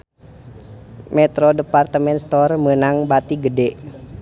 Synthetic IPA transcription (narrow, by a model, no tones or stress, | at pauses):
mɛt̪ɾɔdəpart̪əmɛnst̪ɔrmənaŋbat̪iɡədɛʔ